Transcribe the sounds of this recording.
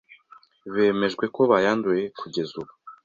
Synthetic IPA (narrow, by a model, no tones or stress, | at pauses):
βe̞ːme̞ʒɡwe̞ko̞βajanduje̞kʰuɟe̞zuβu